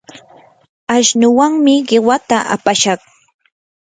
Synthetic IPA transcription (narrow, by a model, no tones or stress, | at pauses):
aʃnʊwaŋmɪɢɪwat̪aʔa̰paʃɑχ